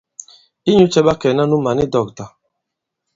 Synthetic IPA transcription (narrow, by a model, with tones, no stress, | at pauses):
i˦ɲu˦t͡ʃɛ˦ɓa˦kɛ˨na˦nu˦ma˨ni˦dɔ˨k̚ta˨